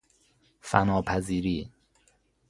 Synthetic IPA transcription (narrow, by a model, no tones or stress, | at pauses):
fæ̰nɒːpʰæziːɾiː